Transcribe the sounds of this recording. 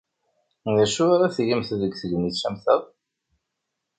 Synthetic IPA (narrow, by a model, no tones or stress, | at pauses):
ðæʃʊaɾaθʝəmθðəɡθəɡmiθʃæmθəðˤ